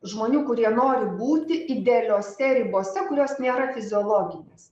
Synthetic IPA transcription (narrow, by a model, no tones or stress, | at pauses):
ʒmoːnʲuːkʊɾʲiɛnoːɾʲɪbuːt̪ʲɪʔɪd̪ʲeːlʲoːsʲɛɾʲɪboːsʲɛkʊɾʲoːsnʲeːɾɐfʲɪzʲɪoːlˠoːɡʲɪnʲeːs